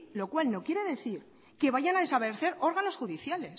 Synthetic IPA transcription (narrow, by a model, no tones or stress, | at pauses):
lo̞kwalno̞kje̞ɾe̞ðe̞θiɾ | ke̞βaʝanaðe̞saβeɾθe̞ɾo̞ɾɣano̞sxuðiθjale̞s